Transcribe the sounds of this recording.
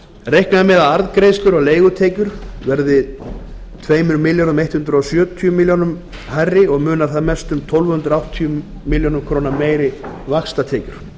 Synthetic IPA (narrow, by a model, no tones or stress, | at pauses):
rejhknaðmɛːðaðaɾðkɾejst̪lʏɾɔɣleːjɣʏt̪ʰeːjcʏɾ̥vɛɾðɪ | t̪ʰveːjmʏɾmɪljoɾʏmejht̪hʏnt̪ɾɔsjœːt̪ʰyjʏmiljownʏm | harːɪɔɣmʏːnḁθaðmɛst̪ʏmt̪ʰɔwlvʏhʏnt̪ɾawht̪ʰiʏː | iɪljownʏmkʰɾoːwnameːjɾɪvaxst̪at̪ʰeːjcʏɾ̥